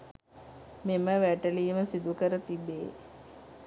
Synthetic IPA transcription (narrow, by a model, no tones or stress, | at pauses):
meməʋæʈəliːməsid̪ukəɾət̪ibeː